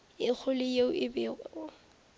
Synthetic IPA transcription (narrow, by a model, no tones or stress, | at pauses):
ɪk͡xʰʊlɪjeʊʔɪbɪːɣɔʊ